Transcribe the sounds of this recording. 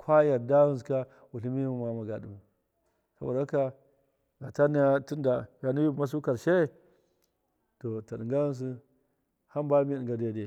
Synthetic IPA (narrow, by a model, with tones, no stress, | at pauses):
kʰʷa˦ja˨ɾda˦wu˦nska˦ | wu˨ɬi˦mi˦mu˨ma˨ma˨ɡa˨du˨ | sa˦bo˨da˨˦ka˦ | ɡa˨ta˦n˦a˦tu˦nda˨ja˨nu˦ju˦bma˦s̬u˦ka˨ɾʃe˦˨ | to˨ta˨ɗi˨ɡa˦wu˦ns̬u˦ | ha˦mba˦mi˦i˨ɡa˨de˨de˨